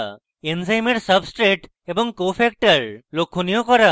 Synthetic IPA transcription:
ensajmeʈsəbsʈɾeʈ | ebɔŋkopʰɛk̚ʈəɹlokʰːunijokɔɾa

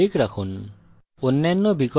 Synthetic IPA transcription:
ikɾakʰun | onːanːɔbiɡɔ

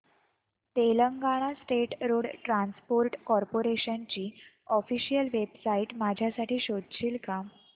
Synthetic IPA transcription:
t̪eləŋɡaɽ̃asʈeʈɾoɽʈɾanspoɾʈkɔɾpoɾeɕant͡ɕiːɔfiɕijəlʋebsaiʈmad͡ʑʱjasaʈiːɕod̪t͡ɕiːlkam

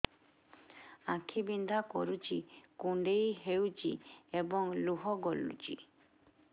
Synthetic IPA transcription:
ãkʰibind̪ʱakɔ̰ɾut͡ʃikuɳɖejɦewt͡ʃiebɔŋluɦɔɡɔlːṵt͡ʃḭ

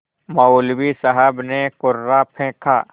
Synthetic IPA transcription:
mɐulwisəɦəbnekʊɾːapʰẽːkʰa̰ː

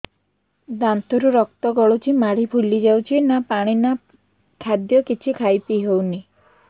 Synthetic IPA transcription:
d̪ant̪ɔɾuɾɔk̚t̪ɔɡɔɭut͡ʃʰimaɽibʱulid͡ʒawt͡ʃʰinapaɽ̃ina | kʰad̪jɔkit͡ʃʰikʰajpiɦewni

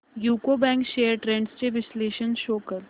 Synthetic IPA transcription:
juːkobɛ̃ːŋkʃeːəɾʈɾẽɳɖst͡ʃeʋɪsleːʃənʃoːkəɾ

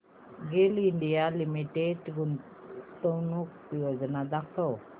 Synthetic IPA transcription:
ɡeliɳɖijalimiʈeʈɡun | t̪ɔwnuk̚pijɔd͡ʒɔnad̪ak̚t̪ɔ

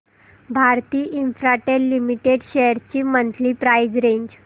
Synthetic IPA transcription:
bʱaɾt̪iːʔinfɾaʈeɾlːimiʈeɖɕejəɾt͡ɕiːmənt̪liːpɾajd͡zɾeɲd͡ʑ

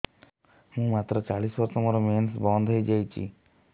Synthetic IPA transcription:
mũːmat̪ɾɔt͡ʃaɭiswɔɾsɔmɔɾɔmensbɔnd̪ʱɦəjd͡ʒajt͡ʃʰḭ

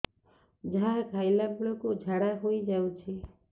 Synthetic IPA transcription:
d͡ʒakʰajlamuɭɔkod͡ʒʱaɽaɦojd͡ʒawt͡ʃʰe

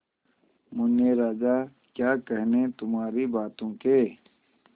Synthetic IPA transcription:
mʊnjeɾaːd͡ʒaː | kjaːkɐɦnet̪ʊmaːɾibaːt̪õːke

